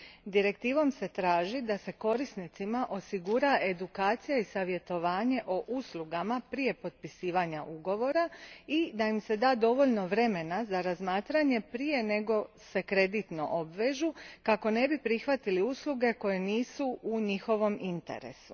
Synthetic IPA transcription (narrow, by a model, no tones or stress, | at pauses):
d̪iɾe̞k̚t̪iːʋo̞mse̞t̪ɾaːʒid̪ase̞ko̞ɾisnit̪simaʔo̞siɡuɾae̞d̪ukaːt̪sijaisaʋje̞t̪o̞ʋaːɲe̞ʔoʔuslˠuɡamapɾije̞po̞t̪̚pisiːʋaɲaʔuɡo̞ʋo̞ɾaid̪aimse̞d̪aːd̪o̞ʋo̞ʎno̞ʋɾe̞me̞nazaɾazmaːt̪ɾaɲe̞pɾije̞ne̞ɡo̞se̞kɾe̞d̪it̪no̞̰ʔobʋeːʒukako̞ne̞bipɾixʋat̪iliusluɡe̞ko̞je̞niːsuuɲixo̞ʋo̞mint̪e̞̰ɾḛsu̥